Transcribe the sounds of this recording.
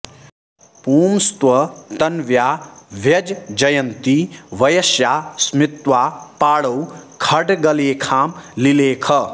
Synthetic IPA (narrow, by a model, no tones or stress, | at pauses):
puːmst̪wɐt̪ɐnʋjaːʋjɐd͡ʒd͡ʒɐjɐnt̪iʋɐjɐsjaːsmit̪waːpaːɽɐwkʰɐɖɡɐleːkʰaːmlileːkʰɐ